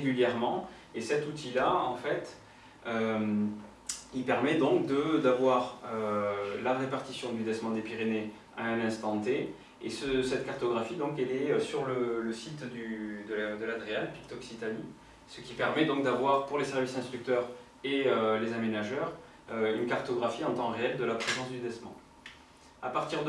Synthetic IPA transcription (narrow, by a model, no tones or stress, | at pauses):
ʁeɡʲyljɛʁmɑ̃ | esɛt̪ut̪ʰilaɑ̃fɛt̪ | øm | ilpɛʁmɛd̪ɔ̃kd̪əd̪avwaʁølaʁepaʁt̪isjɔ̃d̪yd̪ɛsmɑ̃d̪epiʁene | aɛ̃nɛ̃st̪ɑ̃t̪e | esəsɛt̪kaʁt̪ɔɡʁafid̪ɔ̃kɛlɛøsyʁlələsit̪d̪yd̪əd̪əlad̪ʁeanpi̥k̚t̪ɔksit̪ani | sə̥kʲipɛʁmɛd̪ɔ̃ŋk̚d̪avwaʁpuʁlesɛʁvisɛ̃st̪χyk̚t̪œʁ | eølezamenaʒœʁ | øynkaʁt̪ɔɡʁafiɑ̃t̪ɑ̃ʁeɛld̪əlapχezɑ̃sd̪yd̪ɛsmɑ̃ | apaʁt̪iʁd̪